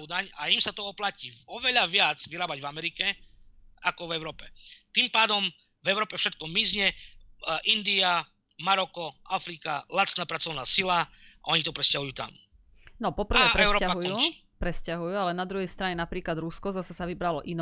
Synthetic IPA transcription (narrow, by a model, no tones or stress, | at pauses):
d̪aɲaimsat̪ɔɔplaciɔʋɛʎaʋɪad͡zʋiɾaːbaɟvamɛɾikɛ | akɔvɛʊɾɔːpɛt̪impaːd̪ɔm | vɛʊɾɔːpɛfʃɛt̪̚kɔmizɲɛ | ʔind̪ia | maɾɔkɔʔafɾika̰lat͡s̪naːpɾat͡sɔʊnaːsilaʔɔɲit̪ɔpɾɛscaɦujuːt̪a̰m | nɔpɔpr̩ʋɛːpɾɛɾɔaɦujuː | pɾɛscaɦujualɛnad̪ɾuɦɛjst̪ɾaɲɛnapɾiːklad̪ɾuskɔzasɛsaʋibɾalɔʔin